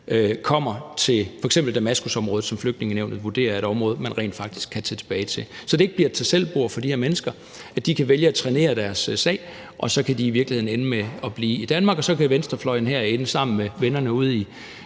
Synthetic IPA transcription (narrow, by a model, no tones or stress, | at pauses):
økʰɒ̽m̰ɐt͡sʰe̝lfɒ̽eɡ̥semb̥l̩d̥æmæsɡ̥usɒ̽mʁɔːð̩ˠsɒ̽mfløɡ̥̚dne̝ŋəneʊn̥ð̩ˠʋuɐd̥e̝̰ːɐe̝ɾ̥ɒ̽mʁɔ̽ːð̞̩ˠmænʁɛ̰ːnd̥fɑ̈ɡ̥̚d̥i̥sɡ̥kʰːæt͡sʰɛt͡sʰe̝̥b̥ɛːɪt͡sʰe̝lsɒ̽d̥ee̝ɡ̥̚b̥liɐ̰t͡sʰesel̰b̥o̝ɐ̰fɒ̽d̥ihɛɐmenəsɡ̥ɐ | æd̥ikʰæʋeljəæt͡sʰʁɛne̝̰ːɐd̥æɐssɛ̰ɪ | ʔɒ̽sɒ̽kʰæd̥iːʋiɐɡ̥lihe̝ðˠn̩e̝nəmeɒ̽b̥liːid̥ænmɑ̈ːɡ̥ɒ̽sɒ̽kæʋensd̥ʁɐflɒ̽ɪnɦæɐe̝nəsɑ̈m̰n̩meʋenɐnəuð̞̰ˠi